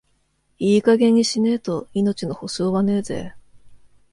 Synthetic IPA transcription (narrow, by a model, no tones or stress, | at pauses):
iːkaɡe̞ɲ̟ːiɕine̞t̪o̞ino̞t͡ɕino̞ho̞ɕo̞ːβane̞ːze̞̰ː